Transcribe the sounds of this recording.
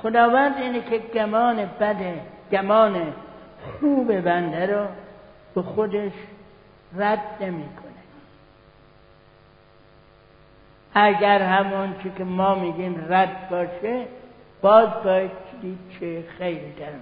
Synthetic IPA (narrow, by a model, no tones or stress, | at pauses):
xod̪ɒːvænd̪iːnekʰeɡæmɒːnebæd̪eɡ̥æmɒːnexuːbebænd̪æɾɔ | b̥exod̪eʃ | ræd̪nemiːkʰone | æɡʲæɾɦæmɔnt͡ʃʰekʲemɒːmiːɡiːmræd̪bɒːʃe | b̥ɒːzbɒːjed̪̚t͡ʃʰed̪iːd̪̥̚t͡ʃʰexejlid̪æɾ